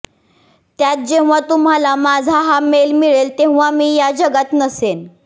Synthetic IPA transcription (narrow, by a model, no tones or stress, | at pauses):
t̪jat̪̚d͡ʑeʋ̤̃ʋat̪um̤alamad͡zʱaɦamelmiɭelt̪ẽʋʋamiːjad͡ʑəɡat̪nəsen